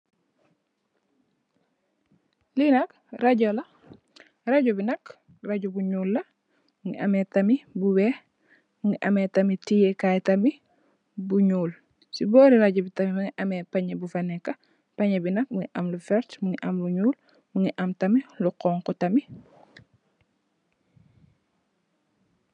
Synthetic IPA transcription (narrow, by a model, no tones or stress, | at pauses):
linɐk | rɐɟɔlɐ | rɐɟɔbinɐk | rɐɟubuɲuːlːɐ | muŋiʔɐmɛtɐmibuwɛ | muŋiʔɐmɛtɐmitijekajtɐmi | buɲuːl | sibɔːɾiɾaɟɔbitɐmimuŋiʔɐmɛpɐɲɐbufɐnɛkːɐ | pɐɲɐbinɐk̚muŋiʔɐmlufɛɾtmuŋiʔɐmluɲuːl | muŋiʔɐmtɐmiluqɔːŋkɔtɐmi